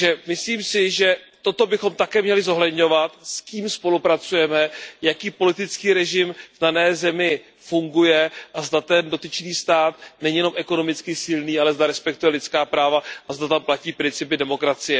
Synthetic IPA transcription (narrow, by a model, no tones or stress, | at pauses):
ʒɛmɪsliːmsɪʒɛt̪o̞t̪o̞bɪxo̞mt̪akɛːmɲɛlɪzo̞ɦlɛdɲo̞vat̪skiːmspo̞lupɾat͡sujɛmɛjakiːpo̞lɪt̪ɪt͡skiːɾɛʒɪmvdanɛːzɛmɪ | fuŋɡujɛʔazdat̪ɛndo̞t̪ɪt͡ʃniːst̪aːt̪nɛɲijɛno̞mʔɛko̞no̞mɪt͡skɪsɪlniːalɛzd̪aɾɛspɛk̚t̪ujɛlɪt͡skaːpɾaːvaʔazdat̪amplaciːpɾɪnt͡sɪpɪdɛmo̞kɾat͡sɪjɛ